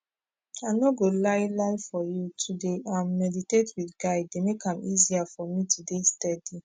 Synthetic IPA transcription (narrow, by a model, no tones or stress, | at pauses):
aɪnɔɡolaɪlaɪfɔjutʰudeãmːɛditetwiθɡaɪdemekãmiziafɔmĩtʰudestɛdi